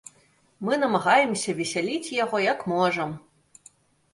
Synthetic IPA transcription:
mɨn̪ɐmɐɣajɛmsʲɐvʲɛsʲalʲit͡sʲjaɣɔjɐkmɔʐɐm

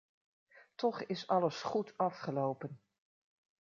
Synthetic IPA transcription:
tʰɔχɪsɑləsχutɑfχəlowpən

